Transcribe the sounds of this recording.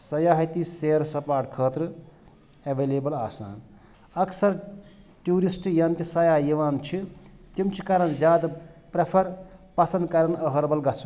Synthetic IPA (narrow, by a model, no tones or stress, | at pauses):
sɐjaːɦɐt̪iseːɾsɐpaːʈkʰəːt̪ɾɨ | ɐʋeːleːbɐlaːsa̰ːn | ɐksɐɾ | ʈjuːɾisʈjɐnt̪isɐjaːjiʋaːnt͡ʃʰit̪imt͡ʃʰi̥kɐɾɐnd͡ʒjaːd̪pɾepʰɐɾpɐsɐnd̪kɐɾɐnɐɦɐɾbɐlɡɐt͡sʰ